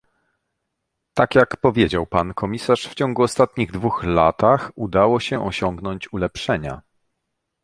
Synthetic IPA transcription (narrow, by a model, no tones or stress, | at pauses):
t̪akʲjakpɔvʲjed͡ʑawpankʰɔmʲisaʂft͡ɕɔŋɡuɔst̪at̪ɲiɣd̪vuxlat̪axud̪awɔɕɛʔɔɕɔŋɡnɔɲt͡ɕulɛpʂɛɲa̰